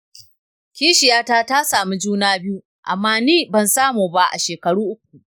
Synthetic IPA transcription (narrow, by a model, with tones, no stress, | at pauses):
kʲiː˦ʃɪ˨jaː˦taː˦ta˦saː˨mi˦d͡ʒuː˦naː˦bɪ˦u˦ | ʔa̰˨mːaː˦niː˦bɐ˨nsaː˦muː˨ba˦ʔa̰˨ʃeː˨kɐ˨ɽuː˦ʔʊ˦k̚ʷu˨ʔ